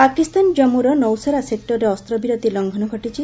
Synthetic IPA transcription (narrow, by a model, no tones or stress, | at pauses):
pakist̪and͡ʒɔmuɾɔnɔwsɔɾasek̚ʈɔɾeɔst̪ɾɔbiɾɔt̪ilɔŋɡʱɔnɔɡʱɔʈit͡ʃʰi